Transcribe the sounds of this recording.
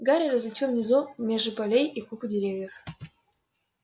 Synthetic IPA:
ɡaɾʲiɾɐzlʲɪt͡ɕʲivnʲɪzumʲeʐɨpɐlʲejikupudʲɪɾʲevʲjəf

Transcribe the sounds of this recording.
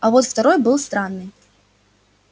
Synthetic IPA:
ɐvɔt̪ft̪aɾɔjbɨlˠst̪ɾanːɨ

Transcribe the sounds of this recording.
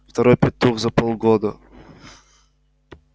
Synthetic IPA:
ft̪ɐɾojpʲɪt̪ːuxzɐpolˠɡod̪ə

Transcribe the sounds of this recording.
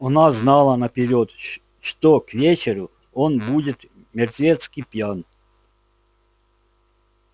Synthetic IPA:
ɐnaznalˠənɐpʲɪɾʲot̪ | ʂt̪okvʲet͡ɕɪɾʊ | onbudʲɪt̪ | mʲɪrt̪vʲet̪skʲijpʲjan

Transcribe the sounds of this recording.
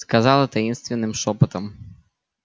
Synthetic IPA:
skɐzɑlˠɪt̪ɐjinst̪ʋʲinːɪmʃɔpɐt̪ɐm

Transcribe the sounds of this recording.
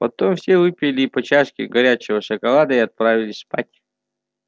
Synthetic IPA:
pɐt̪omfsʲevɨpʲɪlʲɪpɐt͡ɕaʂkʲɪ̰ɡɐɾʲat͡ɕɪvəʂəkɐlˠad̪əiɐt̪̚pɾavʲɪlʲɪsʲspatʲ

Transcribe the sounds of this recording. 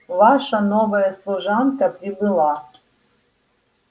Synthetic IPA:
vaʃɐnovɐjɐslˠuʐankɐpɾʲibɨlˠɑ

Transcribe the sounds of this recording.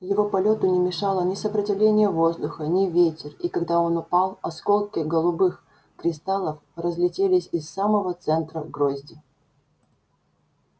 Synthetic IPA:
jɪvo̞pɐlʲo̞t̪ʊnʲɪmʲɪʂalˠənʲɪsəpɾətʲɪvlʲenʲɪjəvozd̪ʊxənʲɪvʲetʲɪrikɐɡd̪ao̞nʊpalˠɐskolˠkʲɪɡəlˠʊbɨx | kɾʲɪst̪alˠəfrəzlʲɪtʲelʲɪsʲɪsːaməvət̪sɛnt̪ɾəɡɾozʲdʲɪ

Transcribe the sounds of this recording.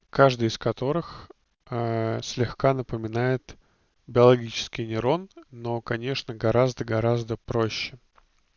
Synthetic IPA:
kaʐd̪ɨjɪskɐt̪o̞ɾɨx | əsʲlʲɪxkanəpəmʲɪnajɪt̪ | bʲɪɐlˠɐɡʲit͡ɕɪ̥skʲɪjnʲɪɾo̞nːo̞kɐnʲe̞ʂnəɡɐɾazd̪əɡɐɾazd̪əpɾo̞ɕːɪ

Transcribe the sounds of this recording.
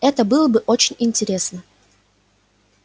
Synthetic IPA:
ɛt̪əbɨlˠəbɨʔot͡ɕɪnʲɪnʲtʲɪɾʲe̞snə

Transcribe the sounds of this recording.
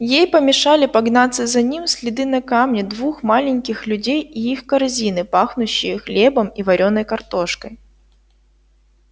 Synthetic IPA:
jejpəmʲɪʂalʲɪpɐɡnat̪sːəzɐnʲimsʲlʲɪd̪ɨnɐkamnʲɪd̪vuxmalʲɪnʲkʲɪxlʲʉdʲejiixkɐrzʲin̪ɨpaxnʊɕːɪjəxlʲebɐmivɐɾʲonːɐjkɐrt̪oʂkəj

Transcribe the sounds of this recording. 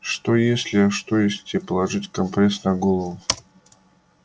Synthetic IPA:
ʂt̪o̞jesʲlʲɪɐʂt̪o̞jesʲtʲɪpəlˠɐʐɨtʲkɐmpɾʲesnɐɡolˠəvʊ

